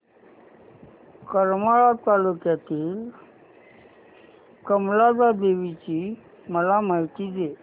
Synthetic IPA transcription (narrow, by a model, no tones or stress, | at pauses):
kəɾmaɭat̪alukjat̪iːl | kəmlad͡zad̪eʋit͡ɕiː | məlaməjt̪id͡ze